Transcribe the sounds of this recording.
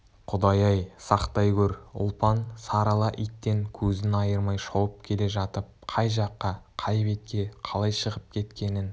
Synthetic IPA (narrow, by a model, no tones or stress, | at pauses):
qʰʊd̪ɑjɑjsɑqt̪ɑjkʲɵɾʊ̰lˠpɑnsɑɾɑlˠɑʔit̪ːe̞ŋkʲʰɵzɪnɑjəɾmɑjʃɑwəp̚kʲʰe̞le̞ʒɑt̪əp̚qʰɑjʒɑqːɑqʰɑjpet̪̚kʲe̞qʰɑlˠɑjʃəʁəp̚kʲʰe̞t̪kʲe̞nɪn